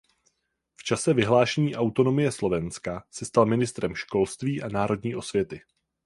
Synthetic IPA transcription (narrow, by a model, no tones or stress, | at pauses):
ft͡ʃasɛvɪɦlaːʃɛɲiːʔawt̪o̞no̞mɪjɛslo̞vɛnskasɛst̪almɪnɪst̪ɾɛmʃko̞lst̪viːʔanaːɾo̞dɲiːʔo̞svjɛt̪ɪ